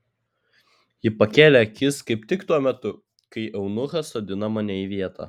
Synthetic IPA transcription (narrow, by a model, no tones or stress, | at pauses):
jɪpɐkʲeːlʲɛɐkʲɪskɐɪpt̪ʲɪkt̪uɔmʲɛt̪ʊ | kɐɪʔɛʊnʊxɐsoːd̪ʲɪnɐmɐnʲɛiʋʲiɛt̪ɑ̰ː